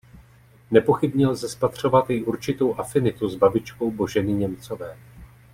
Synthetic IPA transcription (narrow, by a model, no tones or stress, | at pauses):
nɛpo̞xɪbɲɛlzɛspat̪r̝̥o̞vat̪jɪʔuɾt͡ʃɪt̪o̞wʔafɪnɪt̪uzbabɪt͡ʃko̞wbo̞ʒɛnɪɲɛmt͡so̞vɛː